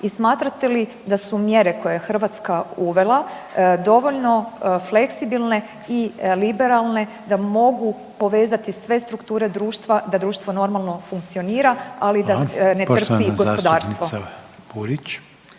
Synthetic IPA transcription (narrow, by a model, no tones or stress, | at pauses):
ismaːt̪ɾat̪e̞li | d̪asumje̞ɾe̞kojeexr̩ʋat̪skauʋe̞lˠad̪o̞ʋo̞ʎno̞fle̞ksibilˠne̞ | ilibe̞ɾalˠne̞ | d̪amo̞ɡu | po̞ʋe̞ːzat̪isʋe̞st̪ɾukt̪uːɾe̞d̪ɾuːʃt̪ʋad̪ad̪ɾuːʃt̪ʋo̞no̞ɾmalˠno̞fuŋkt̪sioniːɾaalid̪ane̞t̪r̩piɡo̞spod̪aːɾst̪ʋobuɾit͡ʃ